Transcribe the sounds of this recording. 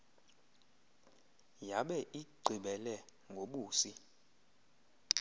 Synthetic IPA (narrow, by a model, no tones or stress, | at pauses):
jaɓɛʔiɡ͡ǀʱiɓɛlɛŋɡʱoɓuːsi